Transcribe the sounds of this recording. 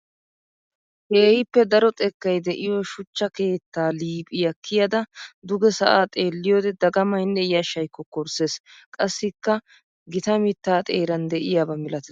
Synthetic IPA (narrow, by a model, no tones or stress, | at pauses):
ʔeːhɪpːɛd̪ɐɾɔt̪ʼɛkːɐjd̪ɛʔɪjoʃʊt͡ʃːɐke̞ːt̪ːaːliːpʼɪjɐkʰːɪjɐd̪ɐd̪ʊɡɛsɐʔaːt̪ʼe̞ːlːɪjoːd̪ɛd̪ɐɡɐmɐjnːɛjɐʃɐjkːɔkɔɾse̞ːskʼɐsːɪkːɐ | ɡɪt̪ɐmɪt̪ːaːt̪ʼe̞ːɾɐnd̪ɛʔɪjaːbɐmɪlɐt̪ɛ